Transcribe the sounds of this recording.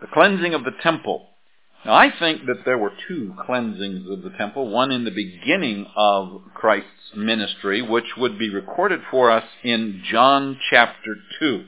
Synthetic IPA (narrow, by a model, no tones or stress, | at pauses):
ðɨkʰl̥ɛ̃nzɪ̃ŋʌvðɨtʰɛ̃mpl̩ˠ | aaɪθɪ̃ŋk̚ðɨt̪̚ðə˞wə˞tʰʉkʰl̥ɛ̃nzɪ̃ŋzʌvðətʰɛ̃mpl̩ˠwʌ̃nɨ̃nðɨbɨɡɪ̃nɪ̃ŋʌv̥kʰɹ̥aɪstsmɪ̃nɨstɹ̥iwɪt͡ʃwəd̚biɹɨkʰɔɹɾɨd̥fə˞ʌsɪ̃nd͡ʒɑ̃nt͡ʃʰæp̚tə˞tʰʉ